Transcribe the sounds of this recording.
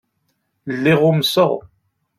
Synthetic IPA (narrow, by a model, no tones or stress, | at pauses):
əlːiʁʊmsəʁ